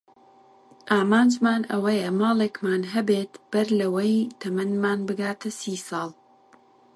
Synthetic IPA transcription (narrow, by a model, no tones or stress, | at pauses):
ʔaːmaːnd͡ʒmaːnʔɐwɐjɐmɑːlˠekmaːnɦɐbeːt̪b̥ɐɾlɐwɐjt̪ʰɐmɐnmaːnbɨɡaːt̪ʰɐsiːsɑːlˠ